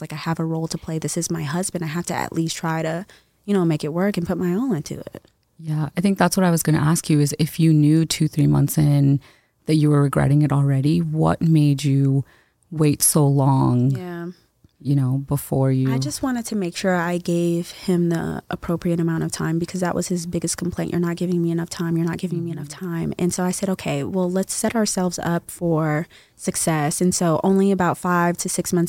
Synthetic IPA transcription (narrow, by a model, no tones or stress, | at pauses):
laɪkaɪəvəɹoʊlˠtʰəpʰl̥eɪðɪsɨzmaɪɦʌzbɨ̃ndaɪɦæftɨɨ̰ʔlʔistʰɹ̥aɪɾɨ | jɨñoʊmeɪkɨt̚wɜ˞kɨ̃n̩pʰʊt̚maɪõʊ̃nɪ̃ntʰʉ̰ɪ̰t̚ | jæa̰ɪθɪ̃ŋk̚ðætswʌɾaɪwʌzɡʌñɨ̰ʔæskʰjɨɨzɪfjɨnjʉtʰʉθɹimʌ̰̃nθsɪ̃n | ðɨt͡ʃɨwə˞ɹɨɡɹɛ̰ɾɪ̃ŋɨɾl̩ˠɹɛɾiwʌ̰t̚meɪd͡ʒɨ | weɪtsoʊlɔ̃ŋæ | jɨñoʊbəfɔɹjʉaɪd͡ʒʌst̚wɑ̃ɾ̃ɨd̚tʰɨmeɪkʃʊɹaɪɡeɪv̥ɪ̃mðḭʔə̰pʰɹ̥oʊpʰɹiɨɾɨmãʊ̃ñʌv̥tʰã̰ɪ̃mbɨkʰʌzðəʔwʔʌz̥ɨzbɪɡɨskʰm̩pʰl̥ẽɪ̃nʔə̰˞nət̚ɡ̥ɪvɪ̃ŋmiɨnʌftʰãɪ̃mjə˞nət̚ɡ̥ɪvɪ̃ŋmiɨnʌftʰãɪ̃mɨ̃nsoʊaɪsɛɾoʊkʰeɪwɛlˠlətsɛɾə˞sɛlˠvzʌ̰pfə˞ | sɨksɛsɨ̃nsoʊʔõ̰ʊ̃nliɨbaʊtfaɪv̥tʰɨsɪksmʌ̃nθ